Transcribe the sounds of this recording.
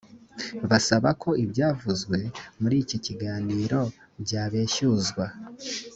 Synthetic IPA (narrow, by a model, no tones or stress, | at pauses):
βasaβakʰo̞ʔibɟaːvuzɡwe̞muɾiːciciɡaːniːɾo̞ | bɟaːβeːʃuzɡwa